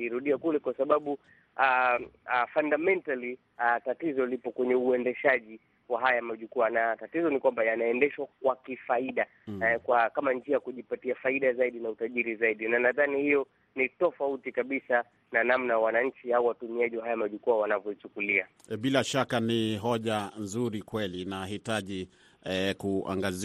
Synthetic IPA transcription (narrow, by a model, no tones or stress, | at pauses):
iɾuɗiakulɛkwasaɓaɓu | a | fandamɛntali | atatizɔlipɔkwɛɲɛuɛndɛʃaʄi | waɦajamaʄukuanatatizɔnikwambajanaɛndɛʃwakwakifaiɗa | kwakamaɲd͡ʒiajkuʄipatiafaiɗazaiɗinautaʄiɾizaiɗinanaðanihijɔ | nitɔfautikaɓisa | nanamnawanaɲ̩t͡ʃiauwatumiaʄiwaɦajamaʄukuawanavjɔit͡ʃukulia | ɓilaʃakaniɦɔʄanzuɾikwɛlinaɦitaʄi | kua̰ŋɡaz